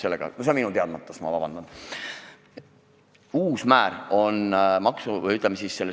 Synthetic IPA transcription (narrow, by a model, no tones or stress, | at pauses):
se̞lːeɡ̥ɑ̰nosenminut̪eɑd̪̚mɑt̪ːˑɑsmɑ̰vɑbɑnd̪̥ɑn | uːsmæːɾo̞nmɑksuvə̰jyt̪ːˑlɛmesiːsse̞lːe